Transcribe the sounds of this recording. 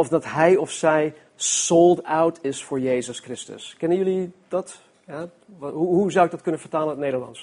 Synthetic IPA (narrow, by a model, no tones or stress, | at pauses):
ɔfdɑtɦɛjɔfsɛj | solˠdawtɪsfʊːɹjejzəskrɪstə̰skɛnənjʏlidɑt | ja | ɦuɦuzawɪɡ̚dɑtkɵnənvəɹtaːlˠənətnejdəɹlɑ̰ns